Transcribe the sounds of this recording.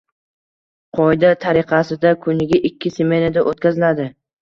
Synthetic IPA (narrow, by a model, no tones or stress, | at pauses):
qʰɒjd̪at̪ʰaɾɪqʰɑsɪd̪akʰʊnɪɡʲaʔɪkʲːɪseme̞nad̪aʔot̪̚kʲazɪlad̪ɪ